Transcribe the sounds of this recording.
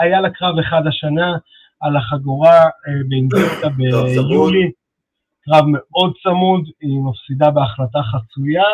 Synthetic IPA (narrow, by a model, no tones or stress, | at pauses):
ajalakʁaveχad̪aʃanaː | laχaɡuʁabeinɡet̪abejuli | kʁavme̞o̞d̪̚t͡samud̪imafsid̪abeaχlataχat͡suja